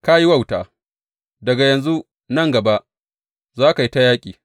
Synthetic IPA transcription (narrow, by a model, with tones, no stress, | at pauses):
ka˦ji˦wa˦˨wta̰ː˨ | dɐ˨ɡa˨jɐ˨nzu˦ | nɐ˦ŋɡɐ˨ba˦ʔ | zaː˦ka˨ji˦ta˦jaː˦kʲʼḭː˨